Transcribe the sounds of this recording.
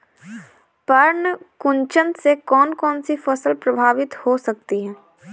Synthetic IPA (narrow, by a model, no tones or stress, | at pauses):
pɐɾnkʊ̃ɲt͡ʃə̃nt̪sekɔːnkɔːnsifɐsəlpɾɐbʱaːʋɪt̪hosɐk̚t̪iɦɛː